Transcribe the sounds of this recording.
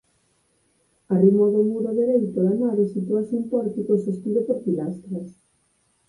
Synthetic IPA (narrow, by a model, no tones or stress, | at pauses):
arimoðomuɾoðeɾejt̪oðanaðesit̪uasumpɔɾt̪ikosest̪iðopoɾpilast̪ɾes